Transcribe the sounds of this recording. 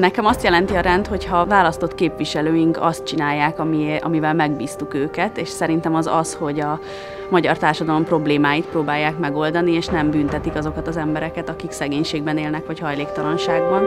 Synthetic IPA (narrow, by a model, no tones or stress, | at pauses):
nɛkɛmɒst̪jɛlɛnt̪iɒɾɛnt̪ho̞chɒvaːlɒst̪o̞t̪keːpʋiʃɛløːjiŋkɒ̰st̪̚t͡ʃinaːjːaːkɒmiɒ̰mivɛlmɛɡ̚biːst̪ukøːkɛt̪eːʃsɛɾin̪t̪ɛmɒzɒ̰sho̞ɟɒ | mɒɟɒrt̪aːrʃɒd̪ɒlo̞mpro̞bleːmaːjit̪̚proːbaːjːaːkmɛɡo̞ld̪ɒnieːʃnɛmbynt̪ɛt̪ikɒzo̞kɒt̪ɒzɛmbɛɾɛkɛt̪ɒkiksɛɡeːɲʃeːɡ̚bɛneːlnɛkʋɒchɒjleːkt̪ɒlɒnʃaːɡbɒn